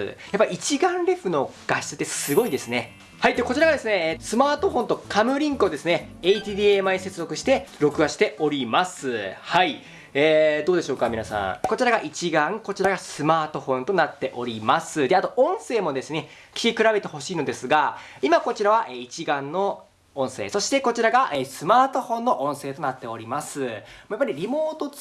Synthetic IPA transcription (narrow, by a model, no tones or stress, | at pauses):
japːaiit͡ɕiɡãnɾe̞ɸɯ̟no̞ɡ̥aɕi̥t͡sɨt̪e̥sɨɡo̞id̪e̞sɨne | hait̪ːekot͡ɕiɾaɡad̪e̞sɨne̞sɨmaːt̪o̞ɸõ̞nt̪o̞kʰamɯ̟ɾʲĩŋkɯod̪e̞sɨne̞eit̪iːd̪ʲiːemaise̞t͡sɨzo̞kɯ̟ɕi̥t̪e̞ɾo̞kɯ̟βaɕi̥t̪e̞ʔo̞ɾʲimasɨhai | eːd̪o̞ːd̪e̞ɕo̞ːkamʲinasã̰ŋko̞t͡ɕiɾaɡaʔit͡ɕiɡãŋko̞t͡ɕiɾaɡasɨmaːt̪o̞ɸõ̞nt̪onat̪ːe̞ʔo̞ɾʲimasɨd̪e̞at̪o̞õ̞ɰ̃se̞ːmo̞d̪e̞sɨne̞ | kʲi̥kʲikɯ̟ɾabe̞t̪e̞ho̞ɕiːnod̪e̞sɨɡaimako̞t͡ɕiɾaβaʔeit͡ɕiɡãnːo̞ | õɰ̃se̞̰ːso̞ɕi̥t̪e̞ko̞t͡ɕiɾaɡaʔesɨmaːt̪o̞hõ̞nːo̞ʔõ̞ɰ̃se̞ːt̪o̞nat̪ːe̞o̞ɾʲimasɨmojapːaɾʲiɾʲimo̞ːt̪o̞